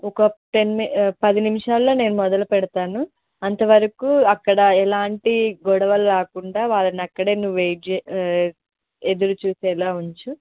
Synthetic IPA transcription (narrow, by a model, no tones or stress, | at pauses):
ɔkɐʈenmpɐd̪inimiʂaːlːo̞ːne̞ːnumɔd̪ɐlupɛɽɐt̪aːnu | ɐnt̪ɐʋɐɾɐkuːɐkːɐɽɐɛlaːɳʈiɡɔɽɐʋɐlːaːkuɳɖaːʋaːɭɐnɐkːɐɽeːnuʋej | ed̪uɾut͡ʃuːsɛːlaːuɲt͡ʃu